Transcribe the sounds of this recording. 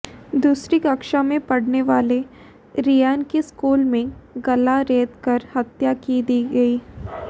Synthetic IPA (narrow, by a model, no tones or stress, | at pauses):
d̪uːsɾikɐkʃamẽpɐɽneʋaːle | ɾijaːnkeskuːlmẽɡɐlaɾeːd̪kɐɾhɐt̪jakid̪iːɡɐiː